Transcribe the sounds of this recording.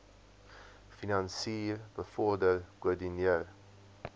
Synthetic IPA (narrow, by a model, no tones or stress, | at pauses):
finɐnsiːrbəfɔrdərkuədiniər